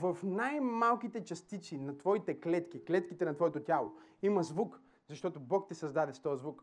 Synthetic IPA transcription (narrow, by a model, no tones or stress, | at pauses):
vɐfnajmalˠkit̪ɛt͡ʃɐst̪it̪sinɐt̪vɔit̪ɛklɛt̪k̟iklɛt̪kit̪ɛnɐt̪vɔɛt̪ot̪ʲalˠo̰imɐzvuk | zɐʃt̪ɔt̪obɔkt̪ɛsɐzd̪ad̪ɛst̪ɔjəzvuk